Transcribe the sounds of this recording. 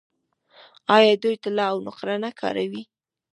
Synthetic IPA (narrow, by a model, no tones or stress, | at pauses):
ɑjɑd̪ujt̪alɑːwnʊqɾanakʰɑ̰ɾawi